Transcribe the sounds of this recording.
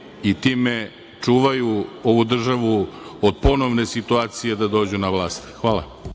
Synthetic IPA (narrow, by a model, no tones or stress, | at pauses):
it̪iːme̞ | t͡ʂuːʋajuo̞ʋud̪r̩ʒaʋuod̪̚po̞no̞ʋne̞sit̪uaːt̪sije̞d̪ad̪o̞ːd͡ʑunaʋlˠaːst̪xʋaːlˠa̰